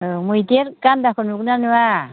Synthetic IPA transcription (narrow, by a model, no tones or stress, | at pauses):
mujteɾkand̪akɔnuknanua